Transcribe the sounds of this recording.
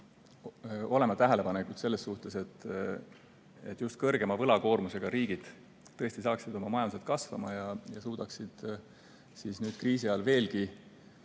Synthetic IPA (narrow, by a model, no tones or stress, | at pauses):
o̞le̞mɑt̪æɦele̞pɑnekut̪se̞lːe̞sːuht̪e̞se̞t̪ː | et̪ːˑjust̪̚kɤ̞rɡ̥e̞mɑvɤlɑko̞ːrmuse̞ɡ̥ɑɾiːɡ̥id̪̥ː | ɤest̪isɑːksid̪̥o̞mɑmɑjɑnset̪̚kɑsvɑ̰mɑjɑjɑsuːd̪̥ɑksid̪̥ | sisnyːd̪̚kriːsiɑɑlve̞ːlɡi